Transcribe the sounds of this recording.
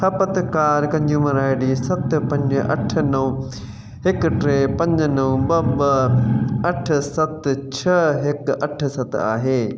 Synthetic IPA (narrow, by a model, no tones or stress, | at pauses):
sɐpɐt̪kaːɾkɐ̃ɲd͡ʑũːmɐɾaːɪɖiːsɐt̪pɐ̃ɲd͡ʑɐ̰ʈ̆ʰnɐʊ̃ | ɦɪkʈɾeːpɐ̃ɲd͡ʑnɐʊ̃bɐbɐ | ɐʈ̆ʰsɐt̪t͡ɕʰɐɦɪkɐʈʰsɐt̪a̰ːɦeː